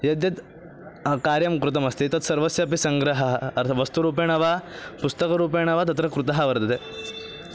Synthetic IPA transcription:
jɐd̪jɐt̪ | kaːɾjɐmkɾut̪̬ɐmɐst̪it̪ɐt̪sɐɾʋɐsjɐɐpisɐŋɡɾɐɦɐɦɐɾʰʋɐst̪uɾuːpeːɳɐʋapust̪ɐkɐɾuːp̬eːɳ̃ɐʋat̪̬ɐt̪ɾɐkɾut̪ɐɦɐʋɐɾt̪ɐt̪e

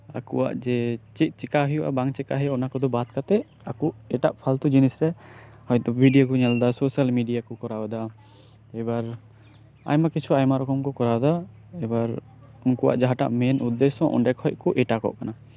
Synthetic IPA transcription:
akuʔa̰ʔd͡ʒɛt͡ʃit̪̚ˀt͡ʃɛkaɦijuʔa̰baŋt͡ʃɛkaɦɛɔnakɔd̪ɔbat̪̚kat̪ɛ | akuɛʈaʔpʰalt̪ud͡ʒinisɾɛ | hɔjt̪ɔbʱiɖijakɔɲɛld̪asosalmiɖijakɔkɔɾawad̪a | ɛbaɾ | a̰jmakit͡ʃʰuajmaɾɔkɔmkɔkɔɾad̪a | ɛbaɾ | ɔŋkuwʔa̰ʔd͡ʒaɦaʈa̰ʔmɛnud̪ːɛsɔ̃ʔɔ̰ɳɖɛkhɔj̚kɔʔɛʈakɔ̰ʔkana

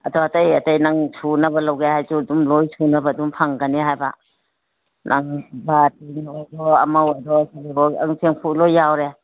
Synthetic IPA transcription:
ɐ̰dɔatajɐtajnaŋsʰunɐbɐlawɡehajsudumlojsʰunɐbadumpʰaŋɡəniɦajba̰ | nʔaŋbatinojdɔɐmaojdɔsalibɔa̰ŋseŋpʰulojːawɾe

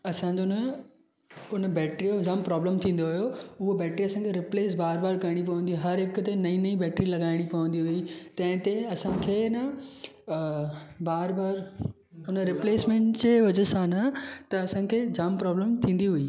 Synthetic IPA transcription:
ɐsãːd͡ʑonə | ʊnbɛːʈɾijod͡ʑaːmpɾɔːbləmt̪ʰĩːn̆d̪oɦʊjoʊɦobɛːʈɾiɐsãŋkʰeɾɪpleːsbaːɾbaːɾkɐɾɪɽ̃ipɐʋə̃nd̪iɦõɦɐɾɦɪkt̪enɐĩnɐĩbɛːʈɾilɐɡaːɪɽ̃ipɐʋə̃nd̪iɦʊit̪ɐ̃ɦɪ̃t̪eɐsãːkʰeːnɐ | baːɾbaːɾ | ʊnɾɪpleːsmẽːɳʈt͡ɕeːʋɐd͡ʑəsaːnat̪ɐːsãːkʰeːd͡ʑaːmpɾɔːbləmt̪ʰĩːn̆d̪iɦʊiː

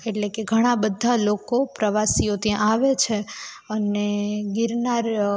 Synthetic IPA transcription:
eʈlekeɡʱəɽ̃abəd̪ʱalokopɾəʋasijot̪ijãaʋet͡ʃʰe | əneɡiɾnaɾ

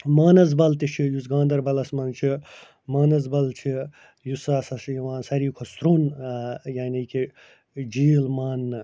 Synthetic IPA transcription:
maːnɐz̬bɐlt̪it͡ʃʰijusɡãːnd̪ɐɾbɐlɐsmɐnt͡ʃʰi | maːnɐzbɐlt͡ʃʰi | jusaːsɐsjɐʋãːnsɐɾiːkʰosɾuːnjaːniki | d͡ʒiːlmaːnːɨ

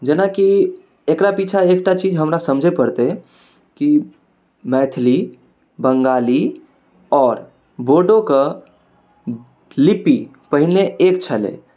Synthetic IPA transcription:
d͡ʒenaki | ekɾapit͡ʃʰaekʈat͡ʃid͡ʒɦəmɾasəmd͡ʒʱepəɾt̪e | ki | mɛt̪ʰli | bəŋɡali | ɔːɾ | boɖoke | lipi | pəɦineʔekt͡ʃʰəlḛ

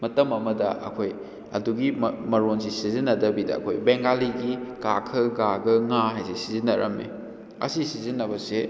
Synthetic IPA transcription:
mɐtɐmɐmɐdɐʔɐ̰kʰoj | ɐ̰duɡimmɐɾonsisizinːɐdɐbidɐ̰ɐ̰kʰojbeŋɡaliɡikakʰɯɡaɡɐŋaɦajsesizinɐɾɐ̰mḛ | ɐ̰sisizinːɐbɐse

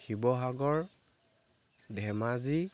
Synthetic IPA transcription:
xibɔɦaɡɔɹ | dʱɛmazi

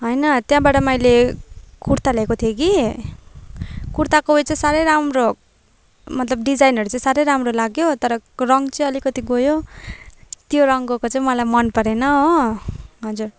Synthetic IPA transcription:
ɦʌjnʌt̪jãbaʈʌmʌjlekuɾt̪alʌekot̪ʰijoɡi | kuɾt̪akot͡sʌĩsaɾʌjɾamro | mʌt̪lʌbɖid͡zajnɦʌɾut͡sʌĩsaɾʌjɾamrolaɡjot̪ʌɾʌrʌŋɡt͡sʌĩʌlikʌt̪iɡojo | t̪joɾʌŋɡokot͡sʌĩmʌlajmʌnpʌɾenʌɦo | ɦʌd͡zur

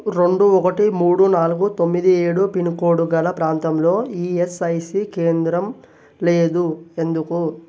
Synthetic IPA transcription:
ɾe̞ɳɖuɔkɐʈimuːɽunaːluɡut̪o̞mːid̪ieːɽupinkoːɽuɡɐlɐpɾaːnt̪ɐmlo̞ːiːesɐjsikeːnd̪ɾɐm | leːd̪ue̞nd̪uku

